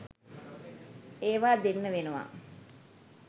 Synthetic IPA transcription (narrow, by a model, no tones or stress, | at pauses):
eːʋaːd̪enːəʋenəʋa̰